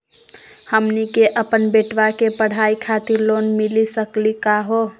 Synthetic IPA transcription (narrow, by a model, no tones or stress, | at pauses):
həmnikeʔəpənbeʈʋakepəɽ̤aikʰat̪iɾlonmilisəklikaɦo